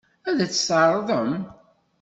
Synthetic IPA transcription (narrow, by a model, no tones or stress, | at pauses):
æðæt͡sːə̥səɾˤðˤəm